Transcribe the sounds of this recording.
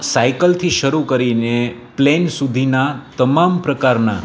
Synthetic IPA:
sajkəlt̪ʰiʃəɾukəɾineplensud̪ʱinat̪əmampɾəkaɾna̰

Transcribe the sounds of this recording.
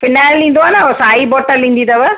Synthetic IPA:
pʰɪnaːlːĩnd̪oaːnaosaːibɔːʈəlːĩːnd̪iːd̪aʋə

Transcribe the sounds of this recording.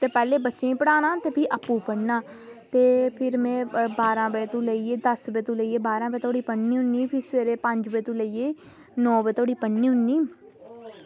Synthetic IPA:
t̪eːpɛːleːbətːʃẽːpəɽaːnãːt̪eːpʰiːʔəpːũːpəɽnaː | t̪eːpʰɪɾmɛ̃ːbaːɾãːbeːt̪ũːləieːd̪əsbeːt̪ũːləieːbaːɾãːbeːt̪ʰoːɽiːpəɳniːɦʊnːiːpʰɪɾsʋeːɾeːpəɲd͡ʒbeːt̪ũːləieː | nɔ̃ːbeːt̪ʰoːɽiːpəɽniːɦʊnːiː

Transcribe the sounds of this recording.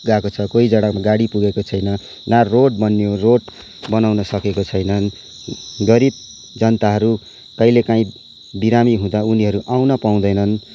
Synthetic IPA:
ɡakot͡sʰʌkoid͡zʌɽ̃aɡaɽipuɡekot͡sʰʌjnʌ | naroʈ̚bʌnjoroʈ | bʌnawnʌsʌkekot͡sʰʌjnʌn | ɡʌɾib̚ | d͡zʌnt̪aɦʌɾu | kʌjlekaĩ | biɾamiɦũd̪auniɦʌɾuʔawnʌpaw̃d̪ʌjnʌn

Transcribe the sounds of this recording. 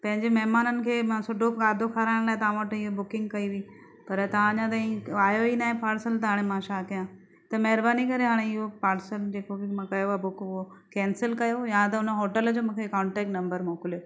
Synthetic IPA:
pɐ̃ɦɪ̃ɲd͡ʑemɐɦɪmaːnənɪ̆kʰeːmãsʊɖʱokaːd̪ʱokʰaːɾaːɪɽ̃laːɦet̪ɐaːãʋəʈɪɦobʊkɪ̃ŋɡkɐiʋĩ | pɐɾt̪ɐʋãɐɲãt̪̬ɐːĩaːjoinaːɦẽpaːɾsəlt̪ɐɦaːɽ̃emãːʃaːkɐjãː | t̪ɐmɐɦɪɾbaːnikɐɾeɦaːɽ̃eɪɦopaːɾsəld͡ʑeːkokmãkɐjobʊkʊɦo | kɛ̃ːnsəlkɐjojãt̪̬ɐʊnə̆ɦoːʈəld͡ʑoːmũːkʰekaːɳʈeːk̚ʈnɐ̃mbəɾmoːkɪlijo

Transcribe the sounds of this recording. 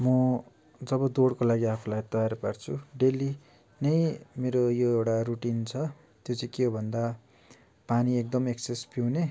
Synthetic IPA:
mʌ | d͡zʌbʌd̪oɽkolaɡiapʰulajt̪ʌjaɾpart͡sʰuɖeli | nʌjmeɾojoewɽaruʈint͡sʰʌ | t̪jot͡sʰĩkeobʱʌnd̪a | paniek̚d̪ʌmeksespiwne

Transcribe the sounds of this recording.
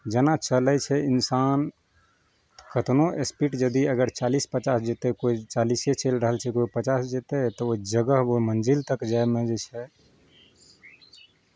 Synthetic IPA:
d͡ʒənat͡ʃəlɛt͡ʃʰɛinsan | kət̪noʔespiʈd͡ʒəd̪iəɡəɾt͡ʃalispət͡ʃasd͡ʒet̪ekoit͡ʃaliset͡ʃelɾəɦəlt͡ʃʰɛkoipət͡ʃasd͡ʒet̪ɛt̪ɔoid͡ʒəɡəɦbomənd͡ʒilt̪əkd͡ʒaemed͡ʒet͡ʃʰɛ

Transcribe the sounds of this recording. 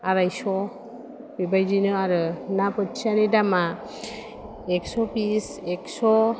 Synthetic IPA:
aɾajsɔ | bibajzinɯaɾɯnapɯtsanidama | ɛksɔpisɛksɔ

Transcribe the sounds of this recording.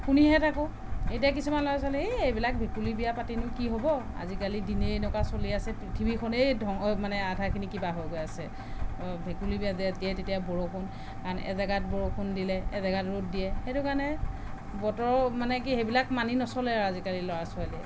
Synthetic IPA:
kuniɦɛtʰakʊ | ejtijak̬isumanlɔas̬alɛejbilak̚bʱekulibijapatinʊkiɦobɔa̰zikalidinejnɔkasoliasɛpɹitʰibikʰɔnejdʱɔŋmanɛadʱakʰinikibaɦojɡojasɛ | bʱekulibijaziadiɛtetijabɔɹokʰʊn | kanʔɛ̰zaɡat̚bɔɹokʰʊndilɛɛ̰zaɡatɹot̚dijɛxetʊkaɹnɛ | bɔtɔɹmanɛk̬iejbilakmaninɔsɔlɛazikalilɔɹasɔaliɛ

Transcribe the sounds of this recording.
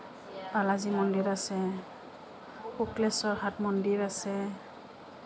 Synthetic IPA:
b̥alazimɔndiɹasɛ | uklɛsɔɹhatmɔndiɹasɛ

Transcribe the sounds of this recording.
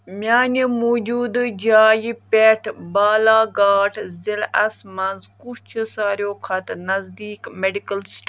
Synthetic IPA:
mʲaːnimoːd͡ʒuːd̪ɨd͡ʒaːjipʲeʈʰbaːlaːɡaːʈʰzilɐsmɐnzkut͡ʃʰisaːɾjoːkʰɐt̪nɐzd̪iːkmeɖikɐlsʈ

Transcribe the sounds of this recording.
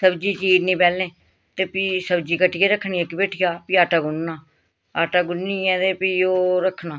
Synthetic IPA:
səbd͡ʒiːt͡ʃiːɾnĩːpɛːlẽː | t̪eːpiːsəbd͡ʒiːkəʈʰɪjɛːɾəkʰːɳiːɛ̃ːkɪbeːʈʰɪjaːpiːaːʈaːɡʊnːãː | aːʈaːɡʊnːĩːɛ̃ːt̪eːpioːɾəkʰːnaː

